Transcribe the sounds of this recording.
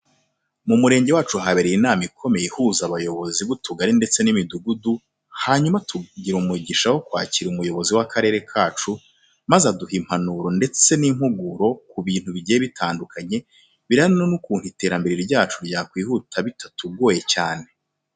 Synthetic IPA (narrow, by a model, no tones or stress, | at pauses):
mumuɾeːɲɟe̞waːt͡ʃuɦaβeɾejinaːmikʰo̞me̞jehuzaβajo̞βo̞ziβutuɡaɾinde̞t͡se̞nimiduɡudu | haːɲumatʰuɟiɾumuɟiʃaho̞kwa̰ːciɾumujo̞βo̞ziwakʰaɾeːɾe̞kʰaːt͡ʃu | mazaduhim̥hanuɾo̞nde̞t͡se̞nim̥huɡuɾo̞kuβiːn̥huβiɟejeβitʰaːndukʰaɲe̞ | βiɾanonukuːn̥hite̞ːɾambe̞ɾiɾiɾɟaːt͡ʃuɾɟaːkwiːhutʰaβitʰatuɡo̞ːjet͡ʃaːne̞